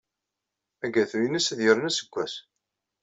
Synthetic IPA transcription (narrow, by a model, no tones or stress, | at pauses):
æɡæθujənisðjəɾənæsə̥kʷːæs